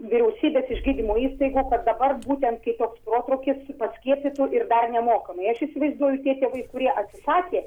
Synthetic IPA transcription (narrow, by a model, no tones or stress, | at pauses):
ʋʲɪɾʲɛʊsʲiːbʲeːsɪʒɡʲiːd̪ʲɪmoːiːst̪ɐɪɡuːkɐt̪̚d̪ɐbɐrbuːt̪ʲɛnt̪kɐɪt̪oːksproːt̪ɾoːkʲɪspɐsʲkʲiɛpʲɪt̪ʊʔɪrd̪ɐrnʲɛmoːkɐmɐɪɐʃɪsʲɪʋɐɪzd̪uɔjʊt̪ʲiɛt̪ʲeːʋɐɪkʊɾʲiɛʔɐt̪ʲsʲɪsɑːkʲeː